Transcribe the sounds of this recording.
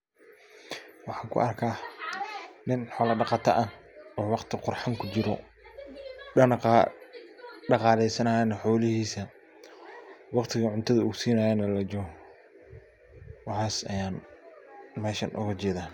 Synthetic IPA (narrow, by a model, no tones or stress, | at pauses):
wɑħɑːŋkʰʊ̰ʔɐrkʰaː | nɪnħɔːlɐɖɑqɑːt̪ʰɐ̰ʔɐɔːwɑqt̪ʰɪqʊrħaŋkʰʊt͡ʃɪɾɔ | ɐnqː | ɖɑqɑːlɛjsɐnɐjɐnɐħɔːlɪɦiːsɐ | wɑqt̪ʰɪɣɐʕʊnt̪ʰɐðɐuːsiːnɐjɐnɐlɐd͡ʒɔ | wɑħɑːsɐ̰jaːn | mɛːʃɐnʔʊ̰ɣɐt͡ʃɛːðaː